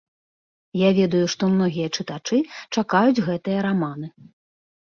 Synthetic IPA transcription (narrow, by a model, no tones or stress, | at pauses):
javʲɛd̪ujuʂt̪ɔmnɔɣʲijɐt͡ʂɨt̪at͡ʂɨt͡ʂakajud͡zʲɣɛt̪ɨjɐɾamanɨ